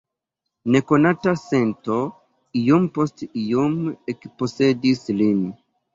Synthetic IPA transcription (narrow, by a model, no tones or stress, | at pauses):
ne̞ko̞natase̞nto | ijompo̞stijomekpo̞se̞dislin